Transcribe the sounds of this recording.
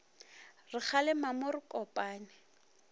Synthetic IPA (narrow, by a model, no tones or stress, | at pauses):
rɪk͡xʰalɛmamʊrɪkʼɔpʼaːnɪ